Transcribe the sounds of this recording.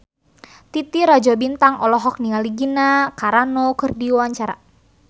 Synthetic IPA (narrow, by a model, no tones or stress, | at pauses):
t̪it̪iɾad͡ʒɔbint̪aŋɔlɔɦɔk̚nialiɡinakaɾanɔkɨrdiwaɲt͡ʃaɾa̰